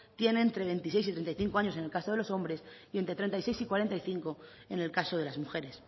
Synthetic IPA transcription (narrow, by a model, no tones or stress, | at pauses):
t̪je̞ne̞ːnt̪ɾe̞βe̞nt̪ise̞jsit̪ɾent̪aijθiŋkoaɲo̞se̞ne̞lkasoðe̞loso̞mbɾe̞sie̞nt̪ɾe̞t̪ɾent̪aijse̞jsikwaɾe̞nt̪aiθiŋko̞ | ene̞lkaso̞ðe̞lazmuxe̞ɾes